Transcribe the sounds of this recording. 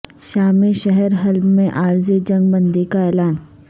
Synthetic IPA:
ʃaːmeʃɛɦɛɾɦɐlbmẽʔaːɾzed͡ʒɐ̃ŋɡ̚bɐ̃nd̪ʱikaɛːlaːn

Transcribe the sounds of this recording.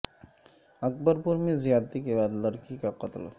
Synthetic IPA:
ɐk̚bəɾpuɾmizijad̪t̪ikebaːd̪ləɽkikaqʌt̪l

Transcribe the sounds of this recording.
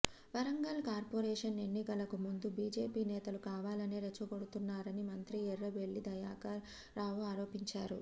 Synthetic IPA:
ʋɐɾɐŋɡɐlkaːɾpoːɾɛːʂɐne̞nːikɐlɐkumund̪ubiːd͡ʒeːpiːnɛːt̪ɐlukaːʋaːlɐneːɾet͡ʃːɐko̞ɽut̪unːaːɾɐnimɐnt̪ɾiɛɾːɐʋe̞ɭːid̪ɐjaːkɐɾ | ɾaːʋuaːɾo̞ːpiɲt͡ʃaːɾu

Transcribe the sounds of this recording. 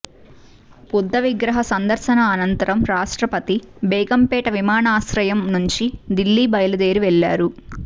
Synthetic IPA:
pud̪ʱːɐʋiɡɾɐɦɐsɐnd̪ɐɾsɐnɐːnɐnt̪ɐɾɐmɾaːʂʈɾɐpɐt̪ibɛːɡɐmpɛːʈɐʋimaːnaːsɾɐjɐmnuɲt͡ʃid̪ilːiːbɐjɐlɐd̪e̞ːɾiʋɛɭːa̰ːɾu

